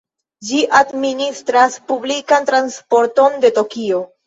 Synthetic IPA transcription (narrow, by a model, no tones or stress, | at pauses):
d͡ʒiʔadministɾaspublikantɾanspo̞ɾto̞nde̞to̞kio̞